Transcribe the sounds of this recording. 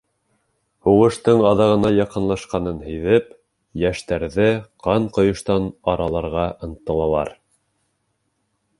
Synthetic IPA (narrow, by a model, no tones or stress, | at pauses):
huʁɤ̆ʃt̪ɤɴɑðɑʁɤ̆nɑjɑqɤ̆nlˠɑʃqɑnɤnɦɘ̆jðɘp | jæʃt̪æɾðɘqʰɑɴqŏjŏʃt̪ɑnɑɾɑlˠɑɾʁɑʔɤ̆nt̪ːɤ̆lˠɑlˠɑ̰ɾ